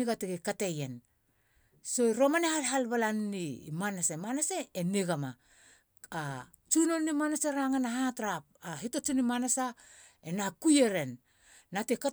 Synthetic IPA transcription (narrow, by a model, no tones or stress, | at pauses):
iɡatiɡekatejen | so̞iɾo̞manehalɦalβalannḭmanasemanaseːniɡama̰ | a | t͡ʃuno̞nnimanaseɾaŋanaɦatɾap̚aɦitot͡ʃunimanasa | enakujeɾe̞nː | ateka